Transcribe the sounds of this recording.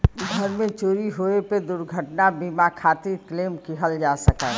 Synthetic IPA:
ɡʱəɾmẽt͡ʃoːɾiɦoeped̪ʊɾɡʱəʈnabimakʰaːt̪iɾkleːmkiɦəld͡ʒasəkɛː

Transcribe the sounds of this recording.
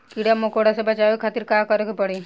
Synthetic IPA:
kiɽamokoɽasebɐt͡ʃajoikʰaːt̪iɾkaːkəɾokepɐɽi

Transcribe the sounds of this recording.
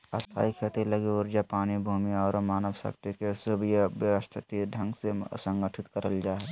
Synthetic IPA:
əst̪ʰa̰ːikʰeːt̪ilɐɡiʊɾd͡ʒapaːnibʱuːmiɔːɾmaːnəʋsə̰kt̪ikesʊbjəʋjəʋəst̪ʰt̪iɖʱə̃ŋɡsesə̃ŋɡəʈʰɪt̪kəɾəld͡ʒaːɦɛ

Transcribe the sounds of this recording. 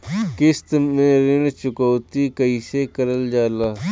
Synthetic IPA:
kɪst̪mẽːɾɪɽt͡ʃʊkoːt̪iːkəiːseːkəɾəld͡ʒaːlaː

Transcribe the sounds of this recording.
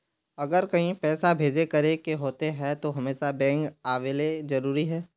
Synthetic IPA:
ɐɡəɾkɐɦĩpɛːsabʱeːd͡ʒekɐɾekeɦoːt̪eɦɛt̪oɦɐmeːʃabɛ̃ːŋkaːʋeːlezɐɾuːɾiɦɛː

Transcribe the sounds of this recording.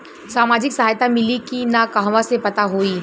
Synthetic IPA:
saːmaːd͡ʒɪksɐɦaːjt̪amɪlikinakaɦʋãsepɐt̪aɦoːiː

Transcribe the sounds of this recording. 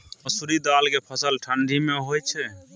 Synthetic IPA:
əsuɾid̪alkepʰəsəlʈʰəɳɖʱimeɦojt͡ʃʰɛ

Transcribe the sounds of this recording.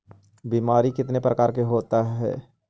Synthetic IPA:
biːmaːɾikɪt̪nepɾɐkaːɾkeɦoːt̪aɦɛ̰ː

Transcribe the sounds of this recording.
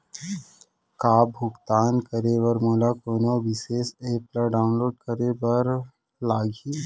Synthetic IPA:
kaːbʱʊkt̪aːnkəɾeʋəɾmoːlakoːnoʋɪseːseːpləɖaːʊnloːɖ̚kəɾebɐɾ | laːɡi

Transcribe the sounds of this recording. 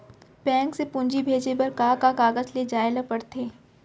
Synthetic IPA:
bɛ̃ːŋksepʊ̃nd͡ʒibʱeːd͡ʒebɐɾkaːkakaːɡəzled͡ʒaːelapɐɽt̪ʰeː

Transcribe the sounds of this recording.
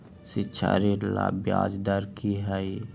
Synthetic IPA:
sɪtːʃʰa̰ɾiɾla̰bjaːd͡ʒd̪əɾkiɦɛi

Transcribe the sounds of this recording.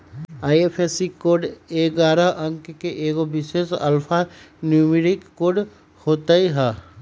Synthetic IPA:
aːjepʰesikoːɖeːɡaːɾaɐ̃ŋkkeʔeːɡobɪʃeːsɐ̰lpʰanjuːmiɾɪkːoːɾɖ | hoːt̪aiɦɛ

